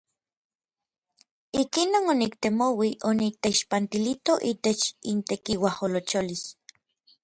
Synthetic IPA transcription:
ikinoːnonikt̪emowiʔonit̪eiʃpant̪ilit̪oʔit̪et͡ʃint̪ekiwaholot͡ʃolis

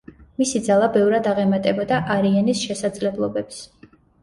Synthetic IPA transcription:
misid̪zalˠabɛvɾad̪aʁɛmat̪ʼɛbɔd̪aʔaɾianisʃɛsad̪zlɛblˠɔbɛps

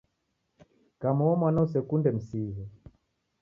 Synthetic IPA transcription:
kamɔɔmwanausɛkundɛm̩siɦɛ

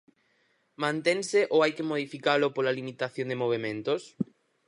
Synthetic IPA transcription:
mãnt̪eŋsɪʔoajkɪmoð̞ifikalʊpolalimit̪aθjõŋd̪emoβ̞emẽnt̪os

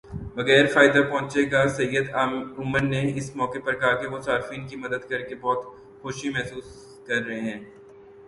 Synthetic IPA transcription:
ʋɐɣɛːɾfaːɪd̪apɔ̃ːt͡ʃeɡasɐjːəd̪aːmʊməɾneɪsmɔːkepɐɾkɐɦakeʋosaːɾɪfiːnkimɐd̪əd̪kɐɾkebɔːt̪ | xʊʃimɛɦsuːs | kɐɾːɐɦeɦɛ̃ː

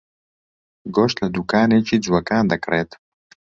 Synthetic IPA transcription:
ɡoːʃt̪lɐd̪uːkaːneːt͡ʃiːd͡zuwɐkaːnd̪ɐkreːt̪

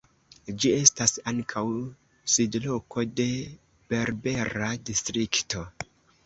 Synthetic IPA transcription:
d͡ʒie̞stasaŋkʰaw | sidlo̞ko̞de̞ | b̥e̞ɾbe̞ɾadistɾikto̞

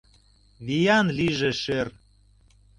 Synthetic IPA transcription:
βijɑnliʒĕʃer

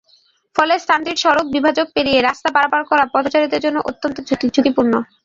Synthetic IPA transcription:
fɔlesʈant̪iʈʃɔɾok̚bibʱad͡ʑoɡ̚peɾijeɾast̪apaɾabaɾkɔɾapɔt̪ot͡ɕaɾid̪eɾd͡ʑonːoʔot̪ːont̪od͡ʑid͡ʑʰukipuɾno

